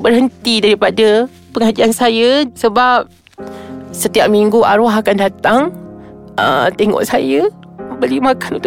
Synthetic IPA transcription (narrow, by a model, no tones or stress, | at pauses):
bərɦənt̪idaɾipadə | pəŋad͡ʒiansajəsəbap̚ | sət̪iap̚miŋɡua̰ɾɔɦakandat̪aŋ | ə̰mt̪eŋɔ̰ʔsajə | əbəlimãkanṵnt̪